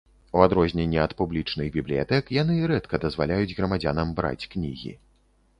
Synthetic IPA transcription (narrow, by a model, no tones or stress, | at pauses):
uad̪ɾɔzʲnʲenʲːiɐt̪publʲit͡ʂnɨɣbʲiblʲija̰t̪ɛkjan̪ɨɾɛt̪kɐd̪ɐzvalʲajud͡zʲɣɾɐmad͡zʲanɐmbɾa̰t͡sʲknʲiɣʲḭ